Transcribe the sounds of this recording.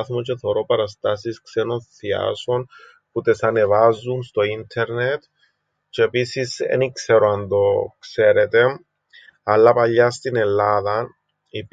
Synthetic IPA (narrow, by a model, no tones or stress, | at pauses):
θmot͡ʃe̞θoɾo̞pɐɾɐst̪asiskseno̞nθia̰so̞n | put̪e̞sɐne̞vazːunst̪o̞int̪ʰe̞ɾnet̪ | t͡ʃeːpisisḛnikseɾoand̪o̞kse̞ɾet̪e̞ | ɐlːɐpɐʎːast̪ine̞lːaðɐ | ip